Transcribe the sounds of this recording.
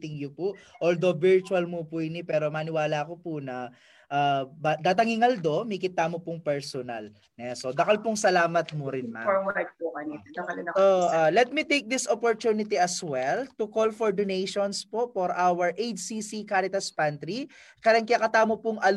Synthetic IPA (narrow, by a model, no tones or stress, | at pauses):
t̪ɪŋjʊpʊʔʔold̪o̞vɪɹt͡ʃuɐlmʊpʊɪnipɛːɾo̞maːnɪwaːlakopʊnɐ | ʔabad̪aːt̪̬ɐŋɪŋɐld̪o̞mɐkɪt̪aːmopʊŋpɛɹsɔnɐ̰l | nɛsod̪ɐkɐlpʊŋsɐlaːmɐt̪̚mʊɾɪnma̰ɐt̚pukɐninɐɐlɐnɐoʔalɛt̪̚mit̪ejk̚d̪ɪsʔopoɹt̪unɪt̪iɐswɛlt̪ʊkolfoɹd̪onejʃonspoʔfɔɾʔawɐɹʔejt͡ʃsisikaɾɪt̪ɐspant̪ɾikaɾɐŋkɐjakɐt̪aːmopʊŋʔɐl